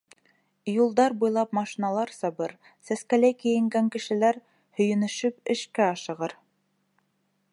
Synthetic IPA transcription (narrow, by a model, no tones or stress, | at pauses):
julˠd̪ɑɾbujlˠɑpmɑʃinɑlˠɑɾsɑbɤɾ | sæskælæjkɘ̆jɘ̆ŋɡæŋkɘ̆ʃɘ̆læɾ | hɵ̆jɘ̆nɵ̆ʃɵpɘ̆ʃkæɑʃɤ̆ʁɤɾ